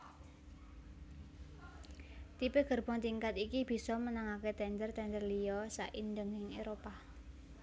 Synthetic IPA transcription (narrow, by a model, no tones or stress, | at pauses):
t̪ipeɡ̥ərb̥ɔ̤ŋt̪iŋkat̪ikib̥i̤sɔmənaŋaket̪ɛnd̪ərt̪ɛnd̪ərlijɔsa̰ʔind̪əŋɪŋeɾopa